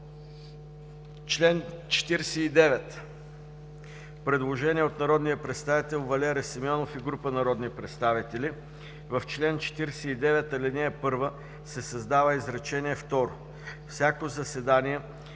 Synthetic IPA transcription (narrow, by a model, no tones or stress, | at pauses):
t͡ʃlɛnt͡ʃɛ̥t̪iɾsɛid̪ɛvɛt̪ | pɾɛd̪lˠoʒɛnʲiɛot̪nɐɾɔd̪nijəpɾɛt̪st̪avit̪ɛlˠvɐlʲɛɾɛsimʲɔnofiɡɾupənɐɾɔd̪nipɾɛt̪st̪avit̪ɛli | vɐft͡ʃlɛnt͡ʃɛ̥t̪iɾsɛid̪ɛvɛt̪ɐlɛnɛɛpɤɾvə | sɛsɐzd̪avəizɾɐt͡ʃɛnʲiɛft̪ɔɾo̰ | fsʲjakozɐsɛd̪aniɛ